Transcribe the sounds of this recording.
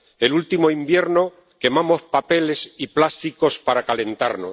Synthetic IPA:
e̞lult̪imo̞imbje̞ɾno̞ | ke̞mamo̞spape̞le̞siplast̪iko̞spaɾakale̞nt̪aɾno

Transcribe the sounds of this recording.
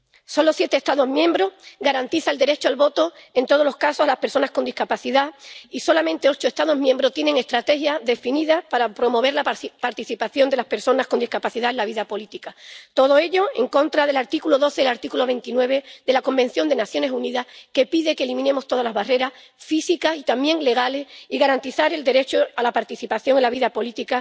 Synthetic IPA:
so̞nlosje̞t̪est̪aðoɦmjẽ̞mbɾo̞hɡaɾant̪iθaeld̪e̞ɾe̞t͡ʃoalβo̞t̪o̞e̞nt̪o̞ðolohkaso̞salahpeɾso̞nahko̞nd̪ihkapaθiðaiso̞lamẽnt̪e̞o̞t͡ʃoest̪að̞o̞ɦmjẽ̞mbɾo̞t̪jenẽ̞ŋe̞st̪ɾat̪e̞xjaðe̞finiðapaɾapɾo̞mo̞β̞e̞ɾlapaɾt̪iθipaθjo̞nd̪e̞lahpe̞ɾso̞nahkond̪ihkapaθiðae̞laβ̞iðapo̞lit̪ikat̪o̞ð̞o̞e̞ʎo̞e̞̰ŋkõ̞nt̪ɾaðe̞laɾt̪ikulo̞ðo̞θe̞laɾt̪ikulo̞βẽ̞nt̪inwe̞β̞e̞ðe̞lako̞mbe̞n̟θjo̞nd̪e̞naθjo̞ne̞suniðahke̞piðe̞kelimĩne̞mo̞st̪o̞ð̞alazβare̞ɾas | fisikasit̪amje̞ŋle̞ɣ̞ale̞siɣaɾant̪iθaɾe̞ld̪e̞ɾe̞t͡ʃoalapaɾt̪iθipaθjo̞ŋelaβiðapo̞lit̪ika

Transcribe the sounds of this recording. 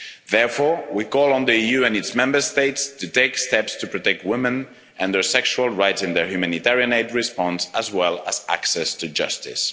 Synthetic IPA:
ðɛɹfɔɹwikɔlˠə̃nðiijʉɛ̃nɨtsmɛ̃mbə˞steɪtstʰɨteɪkstɛpstʰɨpɹ̥ɔtɛk̚t̚wɪ̃mɨ̃n | ʔɨ̃nðə˞sɛkʃuəlˠɹaɪtsɨ̃nðə˞hjʉmænitɛɹiɨ̃neɪd̚ɹɪspɑ̃nsəzwɛlˠəzʔæ̰ksɛstɨd͡ʒʌ̰stɪ̰s

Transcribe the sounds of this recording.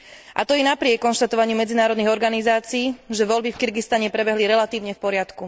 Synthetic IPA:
ʔa̰t̪ɔjɛnapɾɪɛkːɔnʃt̪at̪ɔʋaɲiumɛd͡zinaːɾɔd̪niɣɔɾɡanizaːt͡siːʒɛʋɔʎbifkiɾɡist̪aɲɛpɾɛbɛɦliɾɛlat̪iːʊɲɛfpɔɾɪat̪ku

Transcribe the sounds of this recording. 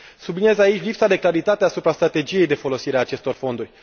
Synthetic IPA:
sublinie̞zait͡ʃʲlipsad̪e̞klaɾit̪at̪easupɾast̪ɾat̪e̞d͡ʒije̞jd̪efo̞lo̞siɾeaːt͡ʃe̞st̪o̞rfo̞nd̪urʲ

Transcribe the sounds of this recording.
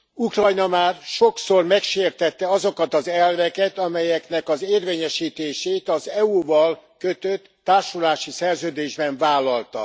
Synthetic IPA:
ukrɒjnɒmaːrʃo̞ksormɛkʃeːrt̪ɛt̪ːɛɒzo̞kɒt̪ɒzɛlvɛkɛt̪ɒmɛjɛknɛkɒzeːrveːɲɛʃiːt̪eːʃeːt̪ɒzɛuvɒlkøt̪øt̪ːaːrʃulaːʃisɛrzøːd̪eːʒbɛɱvaːlːɒlt̪ɒ̰

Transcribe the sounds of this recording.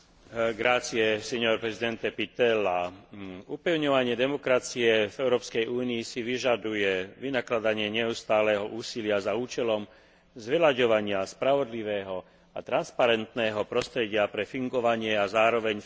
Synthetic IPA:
ɡɾaːt͡siɛsɛɲɔɾpɾɛzid̪ɛnt̪ɛpit̪ɛla | upɛʊɲɔʋaɲɪɛd̪ɛmɔkɾat͡siɛvɛʊɾɔːpskɛjuːniːsiʋiʒad̪ujɛʋinaklad̪aɲɪɛɲɛust̪aːlɛɦɔʔuːsilɪazauːt͡ʃɛlɔm | zʋɛlaɟɔʋaɲɪaspɾaʋɔd̪liʋɛːɦɔ | a̰t̪ɾanspaɾɛnt̪nɛːɦɔpɾɔst̪ɾɛɟɪapɾɛfiŋɡɔʋaɲɪɛazaːɾɔʋɛɲ

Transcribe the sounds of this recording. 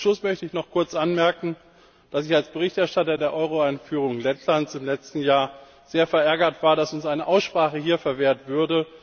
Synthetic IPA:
ʃlʊsmœçtəɪçnɔχkʰʊɐt͡sʔanmɛɐkŋ̩ | d̥asɪçalsb̥əʁ̞ɪçtɛɐʃtatɐdeːɐʔɔʏʁ̞oaɪnfyːʁ̞ʊŋlɛtʰlant͡sɪmlɛt͡stn̩jaːɐ | z̥eːɐfɛɐʔɛɐɡɐtv̥aːɐɾasʊnsʔaɪnəʔaʊsʃpʁ̥aːχəɦiːɐfɛɐveːɐtv̥ʏɐdə

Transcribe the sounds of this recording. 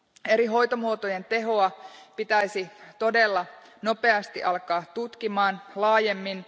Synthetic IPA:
e̞ɾiɦo̞jt̪omuot̪oje̞nt̪e̞ɦo̞ɑpit̪æjsit̪o̞de̞lːɑno̞pe̞ɑst̪iʔɑlkɑːtt̪ut̪kimɑːnlɑːje̞mːin

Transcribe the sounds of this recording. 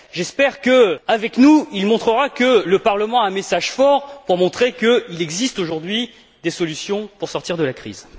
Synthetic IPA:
ʒɛspɛʁkəavɛknuilmɔ̃t̪χəʁakələpaʁləmɑ̃aɛ̃mesaʒfɔʁpuʁmɔ̃t̪χekəilɛɡzist̪oʒuʁd̪ɥi | d̪esɔlysjɔ̃puʁsɔʁt̪iʁd̪əlakχḭːz

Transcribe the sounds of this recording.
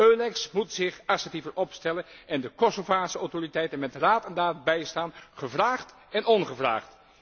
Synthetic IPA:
øːlɛksmutsɪχasətivəɹʔɔpstɛlənɛndəkɔsovaːsəɔwtoritɛjtənmɛtraːtɛndaːt̚bɛjstaːnχəvraːχt | ɛnɔnχəvra̰ːχt

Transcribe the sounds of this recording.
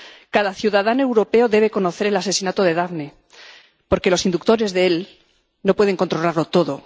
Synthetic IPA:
kaðaθjuðað̞anoe̞wɾo̞pe̞oðe̞β̞e̞ko̞no̞θe̞ɾe̞lase̞sinat̪oð̞e̞ðaɣne | po̞ɾke̞lo̞sind̪uk̚t̪o̞ɾe̞zðeel | no̞pwe̞ð̞e̞ŋko̞nt̪ɾo̞laɾlo̞t̪o̞ðo

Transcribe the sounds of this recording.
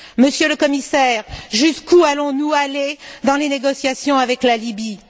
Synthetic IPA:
məsjøləkɔmisɛːʁʒyskualɔ̃nualed̪ɑ̃leneɡɔsjasjɔ̃avɛklalibi

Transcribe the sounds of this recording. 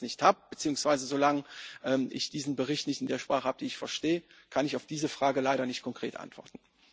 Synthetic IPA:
nɪçthaːbəb̥ət͡siːʊŋsv̥aɪzəzolaŋəʔɛːmʔɪ̰çd̥iːzn̩bəʁɪçtnɪçtɪndeːɐʃpʁ̥aːχəhaːbədiːɪçfɛɐʃteːə | kʰanɪçaʊfd̥iːzəfʁ̥aːɡəlaɪɾɐnɪçt̚kʰɔŋkʁ̥ḛːtʔa̰ntv̥ɔ̰ɐtn̩

